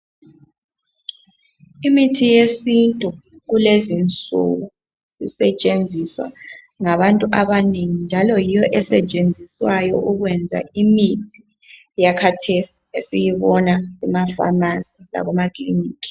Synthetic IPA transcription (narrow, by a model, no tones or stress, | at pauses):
imitʰijesintʼu | ɣulezint͡sʼṵɣu | z̥ḭsɛt͡ʃʼend͡zʱiswa̰ | ŋaβantʼuʔaβaneŋind͡ʒʱalɔjijɔʔɛsɛt͡ʃʼend͡zʱiswajɔ̰ʔuɣwɛnd͡zʱa̰imitʰi̥ | jakʰatʰesi̥esijiβɔnaɣumafa̰masila̰βɔmakʼliniːkʼi̥